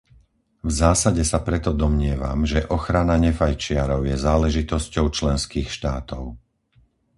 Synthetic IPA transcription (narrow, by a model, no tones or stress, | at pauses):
vzaːsaɟɛsapɾɛt̪ɔd̪ɔmɲɪɛʋa̰mʒɛʔɔxɾanaɲɛfajt͡ʃɪaɾɔʊjɛzaːlɛʒit̪ɔscɔʊt͡ʃlɛnskiːxʃt̪aːt̪ɔʊ